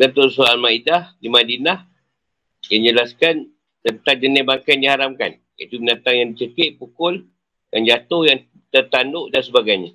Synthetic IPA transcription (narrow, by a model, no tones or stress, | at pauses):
dat̪ʊrsoalmaidahdimadinah | jaŋd͡ʒəlaskan | t̪ənt̪aŋd͡ʒənɪhbaŋkandiɦaɾamka̰n | ja̰it̪uɡənat̪aŋjaŋdit͡ʃəkɪʔ̪̚pukʊl | da̰nd͡ʒat̪ʊhjaŋ | t̪ərt̪andʊʔdansəbaɡajɲa